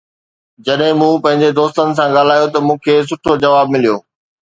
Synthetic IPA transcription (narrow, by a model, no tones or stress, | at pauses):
d͡ʑɐɗɦɪ̃mũːpɐ̃ɦɪ̃ɲd͡ʑed̪oːst̪ənɪ̆s̬ãɠaːl̤aːjot̪ɐmũːkʰeːs̬ʊʈʰod͡ʑɐʋaːb̚mɪlijoː